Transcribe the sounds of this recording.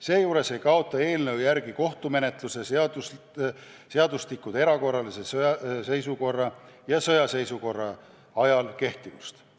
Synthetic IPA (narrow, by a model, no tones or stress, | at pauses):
se̞ːjuːɾe̞se̞jkɑo̞t̪ːˑɑe̞ːlnɤwjæɾɡiko̞ht̪ume̞ne̞t̪ˑluse̞sd̪us | seɑd̪ust̪ikːud̪̥eɾɑko̞rːɑlise̞sse̞jsuko̞rːɑjɑsɤ̞jɑse̞jsuko̞rːɑ | ɑjɑlke̞ht̪ivust̪